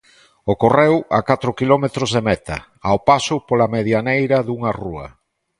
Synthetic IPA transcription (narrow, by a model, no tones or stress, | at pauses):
okorewa̰kat̪ɾʊkilɔmet̪ɾozðemɛt̪ɐ̰ | aopasʊpolameðjanejɾɐðuŋaruɐ̰